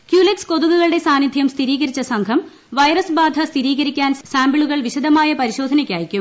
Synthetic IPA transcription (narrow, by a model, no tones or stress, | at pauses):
kjuːleksko̞ðuɣuɣɐɭɨɽe̞saːnid̪ʱjɐmst̪ʰiɾiːɣɐɾit͡ɕːɐsɐŋɡʰʱɐm | ʋɐjɾɐsbaːd̪ʱɐst̪ʰiɾiːɣɐɾikʲːaːnsaːmbiɭuɣɐɭʋiɕɐd̪ʱɐmaːjɐpɐɾiɕo̞ːd̪ʱɐnɐkʲːaːjikʲːum